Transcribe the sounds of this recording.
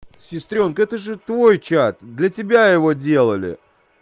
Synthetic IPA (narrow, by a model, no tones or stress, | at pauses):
sʲɪst̪ɾʲo̞nkəɛt̪əʐɨt̪vo̞jt͡ɕat̪̚d̪lʲətʲɪbʲajɪvo̞dʲe̞lˠəlʲɪ̰